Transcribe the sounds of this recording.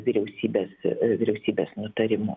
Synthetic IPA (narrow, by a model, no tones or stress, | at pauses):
ʋʲiːɾʲɛʊsʲiːbʲeːsʋʲɪɾʲɛʊsʲiːbʲeːsnʊt̪ɐɾʲɪmʊ̰